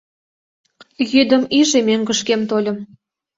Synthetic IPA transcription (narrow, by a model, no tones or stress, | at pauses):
jyd̪ə̆miʒemeŋɡə̆ʃkemt̪olʲə̆m